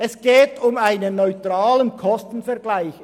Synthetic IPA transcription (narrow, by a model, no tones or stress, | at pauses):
ʔɛsɡ̥eːtʊmaɪnənːɔʏtʁaːlənkʰɔstn̩fɛɐɡlaɪç